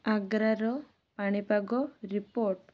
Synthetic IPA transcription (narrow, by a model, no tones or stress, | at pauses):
aɡɾaɾɔ | paɽ̃ipaɡɔɾipoɾʈ